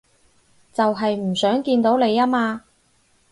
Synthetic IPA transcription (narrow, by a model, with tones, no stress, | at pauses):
t͡sɐ˨wɦɐ˨jm̩˨˩sœː˨˥ŋkiː˧nt̪o˨˥wne˨˧jaː˥maː˧